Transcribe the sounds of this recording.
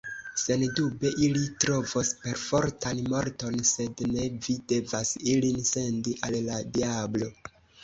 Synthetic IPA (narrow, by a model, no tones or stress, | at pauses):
se̞ndube̞ʔilitɾo̞vospe̞ɾfo̞ɾtʰanmo̞ɾto̞nse̞dne̞vide̞vasilinse̞ndiʔalladiablo̞